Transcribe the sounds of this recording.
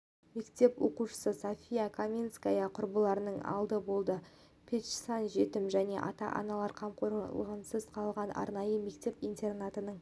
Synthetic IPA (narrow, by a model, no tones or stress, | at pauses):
me̞kt̪e̞pwo̞̰quʃə̥səsofʲijakʰomʲinskajɑqʰʊɾbəlˠɑɾənəɴɑ̰lˠd̪əbo̞lˠd̪ə | pʲʰet̪ʃsɑnʒe̞t̪ɪmʒæne̞̰ʔɑ̰t̪ɑ̰ʔɑ̰nɑlˠɑɾqʰɑmqʰoɾˠʁɑnsʏzqʰɑlˠʁɑnɑ̰ɾnɑjəme̞kt̪e̞pint̪e̞rnat̪ənəɴ